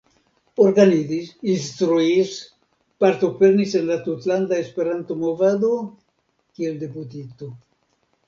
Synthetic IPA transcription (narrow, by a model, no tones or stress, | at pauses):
oɾɡaniðisinst̪ɾuis | paɾt̪opeɾnisenlat̪ut̪land̪aespeɾant̪omovad̪o | kield̪eput̪it̪o